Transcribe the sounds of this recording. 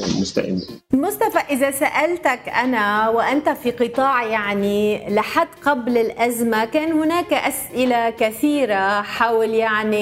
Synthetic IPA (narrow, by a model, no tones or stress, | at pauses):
mʊst̪a̰ʔɪ̰nːlmʊst̪afaʔɪzasaʔalt̪akʔanawɪʔant̪afiqɨt̪ˤɑːʕjaʕnilɪħad̪ːqablɪlʔazmakaːnhʊnaːkʔasʔɪlakaθiːɾaħaːwɪljaʕni